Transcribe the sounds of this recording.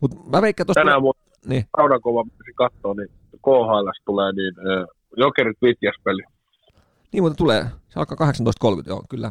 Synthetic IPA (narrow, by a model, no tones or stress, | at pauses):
mut̪pæʋeikːæːt̪ostænæmu | niːɑunɑkoʋɑmisikɑt̪ːoːni | koːhɑˑilɑst̪uleːniːnəː | jokerit̪ʋit̪jæspeli | niːmut̪ːɑt̪ulḛːseɑlkɑːkɑheksɑnto̰ˑist̪kolkyt̪jo̰kylːæ